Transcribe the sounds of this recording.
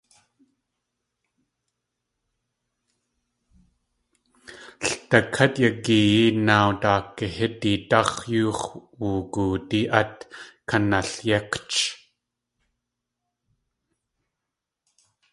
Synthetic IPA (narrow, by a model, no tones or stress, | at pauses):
ɬt̪ɐkʰɐt̪jakijinawtaːkːəhɪt̪ːit̪ɑχjuːχwuːkuːt̪iʔɐt̪kʰɐnaɬjɛqt͡ʃ